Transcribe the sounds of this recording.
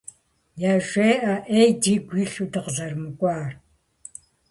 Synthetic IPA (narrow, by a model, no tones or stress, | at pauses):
jaʒʷeːʔaʔejdiːɡʷiːɬudəqɮɐrmɨkʷʼɑːr